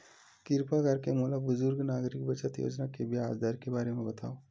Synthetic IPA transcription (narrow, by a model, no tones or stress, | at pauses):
kɪɾpaɡʱəɾkemuːlabʊzʊɾɡnaːɡɾɪk̚bət͡ʃət̪jo̰ːd͡ʒnakebʱiaːd͡ʒd̪ʱaːɾkebaːɾemẽbɐt̪a̰ːoː